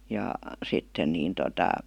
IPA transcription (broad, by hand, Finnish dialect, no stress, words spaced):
jɑ sitːen niːn totɑ